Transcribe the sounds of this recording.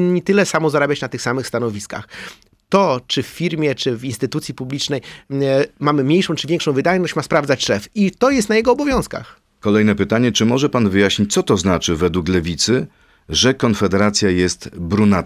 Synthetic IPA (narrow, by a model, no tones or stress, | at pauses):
nːʲit̪ɘlɛsamɔzaɾabʲjat͡ɕnat̪ɘxsamɘxst̪anɔvʲiska̰x | t̪ɔt͡ʂɘfːʲiɾmʲjɛt͡ʂɘvinst̪ɘt̪ut̪sʲipublʲit͡ʂnɛj | mamɘmɲejʂɔ̃w̃t͡ʂɘvʲjɛŋkʂɔ̃w̃vɘd̪ajnɔɕt͡ɕmaspɾavd̪at͡ɕʂɛfit̪ɔjɛst̪najɛɡɔːbɔvʲjɔ̃w̃ska̰x | kɔlɛjnɛpɘt̪aɲɛt͡ʂɘmɔʐɛpanvɘjaɕɲit͡ɕtsɔt̪ɔznat͡ʂɘvɛd̪wuklɛvʲit̪sɘ | ʐɛkɔnfɛd̪ɛɾat̪sʲjajɛst̪bɾuna